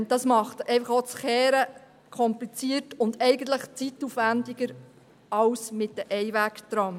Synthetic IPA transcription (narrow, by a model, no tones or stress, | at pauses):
d̥ɑsmɑχtɛɪfɑχot͡sχɛːɾə | kʰɔmplit͡siːətʊndɛɪɡən̩t̪ləχt͡situfʋændiɡəɾ | ɑwsmɪt̚dəʔɛjʋæktɾɑm